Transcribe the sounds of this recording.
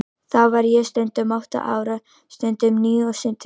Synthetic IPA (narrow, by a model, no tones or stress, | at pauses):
θawvaɾjɛst̪œnt̪ʏmawht̪a̰ʔa̰ːwɾa | st̪œnt̪ʏmniːɔsɪnt̪ʰ